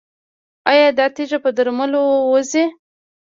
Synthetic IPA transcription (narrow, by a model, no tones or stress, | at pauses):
ajɑd̪ɑt̪iʒapəd̪aɾməlowoze